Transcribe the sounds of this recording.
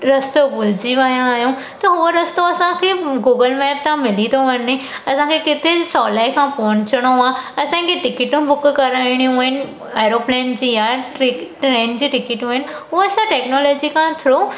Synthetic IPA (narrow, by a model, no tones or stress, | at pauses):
ɾɐst̪obʊld͡ʑiʋɐjãaːɦjũ | t̪ɐɦʊʋəɾɐst̪oɐsãkʰeɡuːɡəlmɛːb̚t̪ʰãmɪlit̪ʰoʋɐnːi | ɐsãkʰekɪt̪ʰesɔːlaːikʰãpɔ̃nt͡ɕəɽ̃oaːɐsãkʰeʈɪkɪʈũbʊkkɐɾaːiɽ̃iũɦɪnɪ | aːɪɾoːplɛːnd͡ʑiːjaɪkʈɾeːnd͡ʑiːʈɪkɪʈũɪ̃n | ɦʊɐsãʈeːknɔːlɔːd͡ʑikʰãt̪ʰɪɾoː